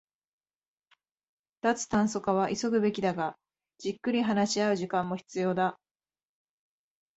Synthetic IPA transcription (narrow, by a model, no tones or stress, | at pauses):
t̪at͡sɨ̥t̪ãɰ̃so̞kaβaʔiso̞ɡɯ̟be̞kʲid̪aɡa | d͡ʑikːɯ̟ɾʲiɦanaɕiaɯ̟ʑikãmːo̞çi̥t͡sɨjo̞ːd̪a